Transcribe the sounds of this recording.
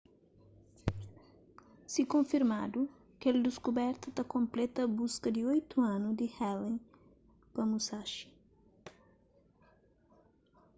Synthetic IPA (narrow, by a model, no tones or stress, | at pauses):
sikõfiɾmad̪u | keld̪iskubɛɾt̪ɐt̪ɐkõmplɛt̪ɐbuskɐd̪iojt̪uãnud̪ihɛlẽŋ | pɐmusaʃi̥